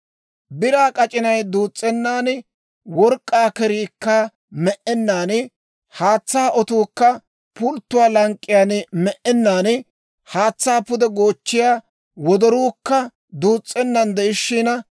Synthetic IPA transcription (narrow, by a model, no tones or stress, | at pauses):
bɪɾaːkʼɐt͡ʃʼɪnɐjd̪uːt͡sʼːɛnːaːn | wɔɾkʼːaːkɛɾiːkːɐ | mɛʔɛnːaːn | haːt͡sːaːʔɔt̪uːkːɐ | pʊlt̪ːʊwaːlɐŋkʼːɪjaːnmɛʔɛnːaːn | haːt͡sːaːpʊd̪ɛɡo̞ːt͡ʃːɪjaː | wɔd̪ɔɾuːkːɐ | d̪uːt͡sʼːɛnːɐnd̪ɛɪʃːiːnɐ